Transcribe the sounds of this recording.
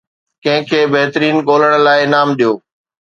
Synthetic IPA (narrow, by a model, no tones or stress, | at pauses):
kɐ̃ɦɪ̃kʰeːbɐɦɪt̪əɾiːnɠoːləɽ̃laːɪnaːmɗijoː